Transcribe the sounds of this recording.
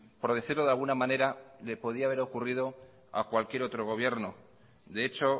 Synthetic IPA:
po̞ɾðeθiɾlo̞ðalɣunamãne̞ɾale̞po̞ðiaːβ̞e̞ɾo̞kuriðo̞ | a̰kwalkje̞ɾo̞t̪ɾo̞ɣ̞o̞β̞je̞ɾno̞ | d̪eet͡ʃo̞

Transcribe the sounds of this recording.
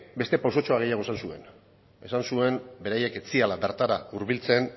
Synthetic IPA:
be̞st̪e̞pawso̞t͡ʃo̞aɣ̞e̞jaɣo̞esansue̞n | e̞sansue̞mbe̞ɾaje̞ke̞t͡sialabe̞ɾt̪aɾauɾβilt͡se̞n

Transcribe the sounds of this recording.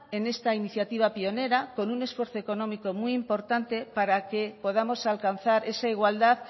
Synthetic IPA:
e̞ne̞st̪ainiθjat̪iβ̞apio̞ne̞ɾako̞nune̞sfwe̞ɾθo̞eko̞nõ̞miko̞mwiːmpo̞ɾt̪ant̪e̞paɾake̞po̞ð̞amo̞salkan̟θaɾe̞saiɣwald̪að

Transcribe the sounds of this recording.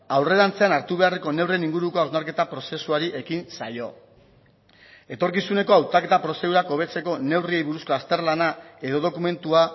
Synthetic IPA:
awre̞ðant͡se̞anaɾt̪uβ̞e̞are̞ko̞ne̞wre̞niŋɡuɾuko̞awzmaɾke̞t̪apɾo̞se̞suaɾiʔe̞kinsajo̞ | e̞t̪o̞ɾkisune̞ko̞awt̪ake̞t̪apɾo̞se̞ðuɾako̞β̞e̞t͡se̞ko̞ne̞wrie̞jβuɾusko̞ast̪e̞ɾlanae̞ðo̞ðo̞kume̞nt̪ua

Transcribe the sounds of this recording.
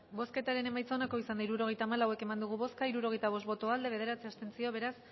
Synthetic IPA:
bo̞ske̞t̪aɾe̞nemajt͡sonako̞isand̪aiɾuɾo̞ɣejt̪aːmalawe̞ke̞mand̪uɣ̞uβo̞skaiɾuɾo̞ɣe̞jt̪aβ̞o̞st̪bo̞t̪o̞ald̪e̞βe̞ð̞e̞ɾat͡siast̪e̞nsio̞βe̞ɾas

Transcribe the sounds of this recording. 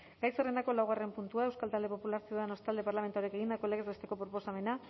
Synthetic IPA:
ɡajsere̞nd̪ako̞lawɣ̞are̞mpunt̪uae̞wskalt̪ald̪e̞po̞pulaɾsioðeno̞st̪ald̪e̞paɾlame̞nt̪aoɾieke̞ɣ̞ind̪ako̞le̞ɣeze̞st̪e̞ko̞pɾo̞po̞same̞na

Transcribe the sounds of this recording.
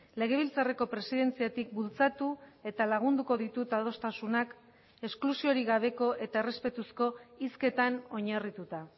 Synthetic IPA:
le̞ɣ̞e̞β̞ilt͡sare̞ko̞pɾe̞siðe̞nt͡siat̪ik̚bult͡sat̪ue̞t̪alaɣ̞und̪uko̞ð̞it̪ut̪aðo̞st̪asunak | e̞sklusio̞ɾiɣaβ̞e̞ko̞ʔe̞t̪ae̞respe̞t̪usko̞iske̞t̪ano̞ɲarit̪ut̪a

